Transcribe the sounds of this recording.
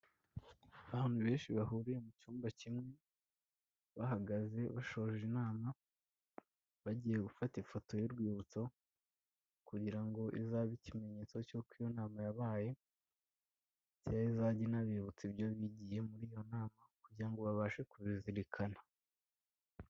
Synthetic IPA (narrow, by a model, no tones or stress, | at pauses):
βaːn̥huβe̞ːnʃiβaɦuɾiɾe̞mut͡ʃuːmbacimŋe̞ | βaɦaɡaze̞βaʃo̞ʒinaːma | βaɟiːje̞ɡufatifo̞to̞jiɾɡwiːβut͡so̞ | kuɟiɾaŋɡo̞ʔizaβicime̞ɲe̞ːt͡so̞cokwijo̞naːmajaβaːje̞ | tijaizaɟinaβiːβut͡sibjoβiɟije̞muɾiːjo̞naːmakuɟiɾaŋɡo̞βaβaʃe̞kuβiziɾikʰana